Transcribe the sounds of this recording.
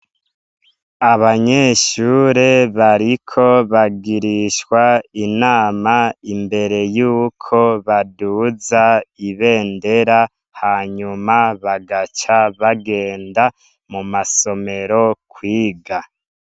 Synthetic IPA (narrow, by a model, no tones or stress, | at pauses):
aβaɲeːʃuːɾeβaɾikʰo̞βaɡiɾiʃkwainaːmaimbe̞ɾe̞juːkʰo̞βaduzaiβe̞ːnde̞ɾa | haːɲumaβaɡat͡ʃaβaɡe̞ːnda | mumaso̞me̞ɾo̞kwiːɡa